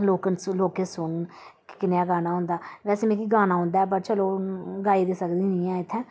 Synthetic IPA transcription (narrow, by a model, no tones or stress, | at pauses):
loːkənloːkẽːsʊn | kkɪnjaːɡaːnaːɦʊ̃nd̪aːʋɛːseːmɛ̃kiːɡaːnaːɦʊ̃nd̪aɛːp̬əɾt͡ʃəloːɡaːiːd̪eːsəkd̪iːnĩːɛ̃ːɪt̪ʰːɛ̃ː